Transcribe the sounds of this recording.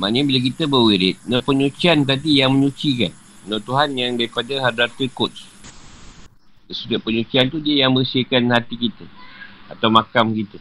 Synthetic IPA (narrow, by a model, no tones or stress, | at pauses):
ma̰nəbilak̬it̪əbəwiɾɪt̪̚nopəɲũt͡ʃiant̪̬atijaŋmə̃ɲut͡ʃika̰n | not̪uɦanjaŋdaɾipadaɦadɾat̪əkʊt̪s | səsudaʔpəɲut͡ʃiant̪udiəjaŋmə̃ɾisiəkanhat̪ikit̪aat̪awmãkamkit̪a